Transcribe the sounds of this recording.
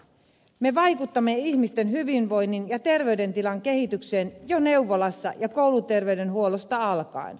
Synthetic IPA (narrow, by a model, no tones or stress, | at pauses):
me̞ʋɑjkut̪ːɑmːe̞içmist̪enɦyʋinʋo̞jnːinjɑt̪e̞rʋe̞yɥde̞nt̪ilɑŋke̞hit̪ykseːnjone̞wʋːolɑsːɑ̰jɑko̞wlut̪e̞rʋe̞yɥde̞nɦuolost̪ɑɑlkɑ̰ḭn